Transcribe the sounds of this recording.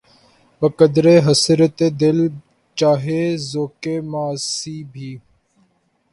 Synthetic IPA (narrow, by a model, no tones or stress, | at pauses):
bəkəd̪ɾeːɦəsɪɾət̪eːd̪ɪl | t͡ʃaːɦeːzoːkeːmaːsiːbʱiː